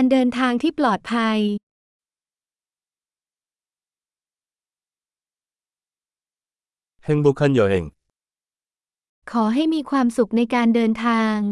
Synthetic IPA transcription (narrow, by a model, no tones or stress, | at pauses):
ndɤːnt̪ʰaːŋt̪ʰiːplɔːt̪̚pʰaj | hɛŋbuːkʰanjaːheŋ | kʰɔːɦajmiːkʰwaːmsuk̚najkaːndɤːnt̪ʰaːŋ